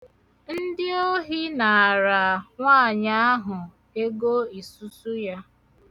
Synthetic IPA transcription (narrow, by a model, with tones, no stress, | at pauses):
n̩˦dɪ˦o˦ɦi˦na˨a˨ɾa˨ŋʷaː˦˨ɲa˦a˦ɦʊ˨ | e˦ɡo˦i˨su˦su˦ja˦